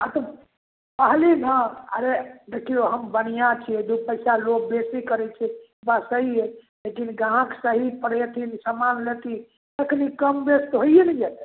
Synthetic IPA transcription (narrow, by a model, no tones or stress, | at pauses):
at̪ɔ | pəɦlinə̃ə̰ɾed̪ekʰijoɦəmbənijat͡ʃʰied̪upəɪsalok̚besikəɾɛt͡ʃʰɛ | basəɦie | lekinɡaɦãksəɦipəɽ̤et̪ʰinsəmanlet̪i | t̪əkʰnikəmbest̪ɦojenɛd͡ʒat̪ɛ